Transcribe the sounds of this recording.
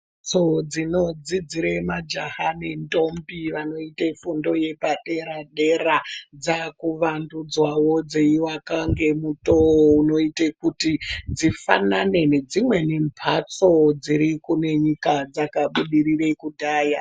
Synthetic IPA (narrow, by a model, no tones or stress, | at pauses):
t͡sod͡zino̞d͡zid͡ziɾemad͡ʒahanentombiʋano̞itefundo̞je̞paɗe̞ɾaɗe̞rad͡zakuʋandud͡zwawod͡zeiwakaŋɡe̞mutouno̞itekutid͡zifa̰nane̞ne̞d͡zimwe̞ne̞mpʰat͡sod͡ziɾikune̞ɲikad͡zakaɓuɗirirekudʱaːja